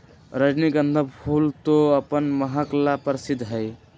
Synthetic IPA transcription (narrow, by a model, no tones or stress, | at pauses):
ɾəd͡ʒniɡənd̪ʱəbpʰult̪oəpənməɦəklapəɾsid̪ʱɦəj